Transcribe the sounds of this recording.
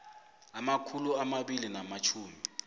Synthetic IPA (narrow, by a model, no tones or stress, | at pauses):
amakʰuluamaɓilinamat͡ʃʰuːmi